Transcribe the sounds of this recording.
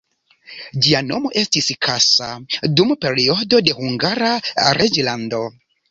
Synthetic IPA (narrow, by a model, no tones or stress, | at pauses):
d͡ʒiano̞mo̞ʔe̞stiskʰasadumpe̞ɾio̞do̞de̞huŋɡaɾaɾed͡ʒlando̞